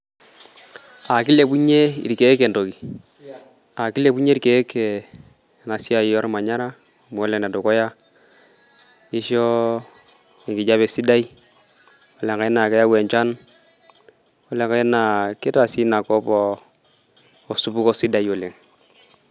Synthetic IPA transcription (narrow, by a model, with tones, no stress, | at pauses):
a˨ki˦le˨bu˦ɲe˦ḭ˨ɾke˨˦kɛ˨nto˨ki˨ | a˨ki˦le˦˨bu˦ɲe˦ɾke˨˦ke˨ | na˨si˦a˦˨jɔ˦ɾma˨ɲa˦ɾa˦˨ | m˨ɔ˦lɛ˨na˨dɔ˨kɔ˦ja˦ | i˦ʃɔ˦ | i˨kɪ˨d͡ʒa˦bɛ˨si˦da˦i˦ | ɔ˦lɛ˨ŋka˨ɛ˦na˨kɛ˦ja˦wɛ˨ɲt͡ʃa˦n | ɔ˦le˨ŋka˨˦ɛ˦na˨ke˦ta˨si˦na˨kɔ˦bɔ˦˨ | su˨bu˦kɔ˦si˦da˨jɔ˨le˨ŋ